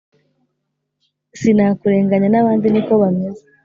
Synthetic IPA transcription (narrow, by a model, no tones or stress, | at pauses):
sinaːkuɾe̞ːŋɡaɲanaβaːndiniko̞βameze̥